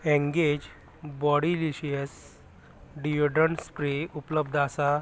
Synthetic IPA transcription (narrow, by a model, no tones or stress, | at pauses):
ẽŋɡed͡ʑ | bɔɽiliɕiəs | ɖioɖəɳspɾeupləbd̪ʱasa